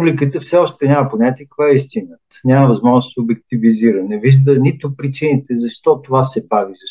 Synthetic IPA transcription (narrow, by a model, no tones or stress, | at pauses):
ublikət̪əfsɛɔʃt̪ɛnʲaməponʲat̪ikkvaɛist̪inət̪ə̥nʲaməvɐzmɔʒnʊssobɛk̚t̪iviziɾənɛviʒd̪ənit̪opɾit͡ʃinit̪ɛzɐʃt̪ɔt̪ovasɛbaɡizɐʃ